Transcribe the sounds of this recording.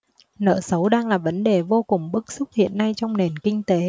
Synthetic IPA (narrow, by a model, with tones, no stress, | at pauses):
nə̰ː˧˨sə˨˦wɗaː˧ŋlaː˨˩və˨˦nɗe˨˩vo˧kʊ˨˩ŋ͡mɓɨ˦˥k̚sʊ˦˥k͡p̚hḭ˧˨ənːa˧jt͡ɕɔ˧wŋ͡mne˨˩nkï˧ŋ̟t̪e˨˦